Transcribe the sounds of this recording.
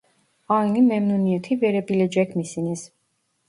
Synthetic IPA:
ainimɛmnuniɛt̪ʰivɛɾɛbilɛd͡ʒɛkʰmisinis

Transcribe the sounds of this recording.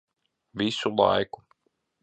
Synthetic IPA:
visulˠa̰jku̥

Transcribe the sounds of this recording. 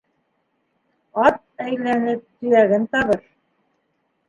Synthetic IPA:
ɑt̪̚æjlænɘp̚t̪ɵ̆jæɡɘnt̪ɑβɤɾ

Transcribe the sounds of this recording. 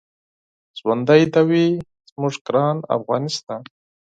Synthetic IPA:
zwand̪ajd̪awi | z̥muʐɡɾɑːna̰fɣɑːnɪst̪ɑːn

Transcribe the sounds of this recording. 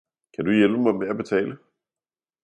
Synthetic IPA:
kʰæd̥ujelb̥əmɑɪmeæb̥e̝t͡sʰɛ̰ːlə

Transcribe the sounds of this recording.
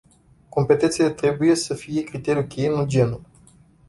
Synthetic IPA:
ko̞mpe̞t̪e̞nt̪selet̪ɾe̞buje̞səfije̞kɾit̪e̞ɾʲijukʲejenud͡ʒe̞nu

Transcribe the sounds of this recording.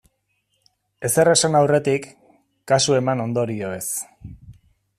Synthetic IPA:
e̞se̞resanawre̞t̪ikː | asue̞mano̞nd̪o̞ɾioe̞s

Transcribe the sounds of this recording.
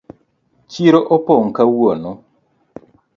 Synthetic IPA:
t͡ʃiɾoʔɔpɔŋkawonɔ

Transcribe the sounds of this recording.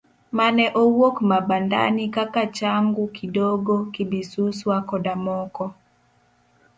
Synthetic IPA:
manɛʔowokmabanda̰nikakat͡ʃaŋɡukidoɡokibisuswakɔdamɔkɔ

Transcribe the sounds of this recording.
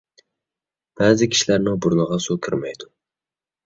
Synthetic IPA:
b̥æːzɪkʲʰi̥ʃilæɾnɪŋbʊɾnɨʁɑsukʲʰɪɾmɛjd̪ʊ

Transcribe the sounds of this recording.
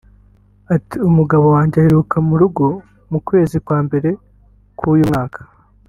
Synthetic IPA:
atiumuɡaβo̞waːɲɟeaheɾukamuɾuɡo̞ | mukwe̞ːzikwaːmbe̞ɾe̞ | kʰuːjumŋaːkʰḁ

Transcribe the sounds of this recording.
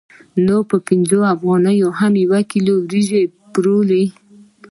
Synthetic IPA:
nopəpɪnzoafɣɑnəjoɦamjawakiloɾiʒepɾole

